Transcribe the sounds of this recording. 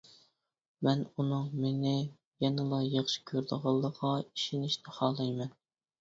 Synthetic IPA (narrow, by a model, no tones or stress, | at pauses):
mɛnunɨŋmenɪ | jɛnɨlˠɑjɑχʃi̥kʲʰøɾd̪əʁɑlˠːəʁɑi̥ʃinɪʃnɪχɑːlˠɨjmɛn